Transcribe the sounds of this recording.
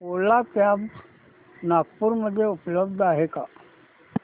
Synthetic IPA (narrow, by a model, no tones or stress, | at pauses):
poːlatjaːb | naːkpʊɾməd̪ʱjeʊpləbd̪ʱaːɦekaː